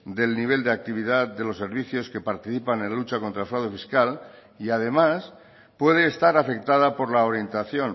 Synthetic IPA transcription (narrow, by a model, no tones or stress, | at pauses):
d̪e̞lniβ̞e̞ld̪eak̚t̪iβ̞iðat̪d̪e̞lo̞se̞ɾβiθjo̞ske̞paɾt̪iθipanẽnlut͡ʃako̞nt̪ɾaelfɾawðufiskal | iað̞e̞mas | pwe̞ð̞eːst̪aɾafe̞k̚t̪að̞apo̞ɾlaoɾje̞nt̪aθjo̞n